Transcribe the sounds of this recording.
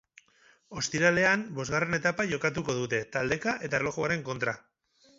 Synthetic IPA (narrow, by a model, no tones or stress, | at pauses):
o̞st̪iɾale̞anbo̞zɣare̞ne̞t̪apaʝo̞kat̪̬uko̞ðut̪e̞t̪ald̪e̞kaʔe̞t̪aerlo̞xoaɾe̞ŋko̞nt̪ɾa